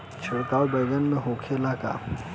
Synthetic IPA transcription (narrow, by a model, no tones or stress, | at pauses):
t͡ʃʰɪɽkaːwbɐɪɡənmẽɦoːkʰelaka̰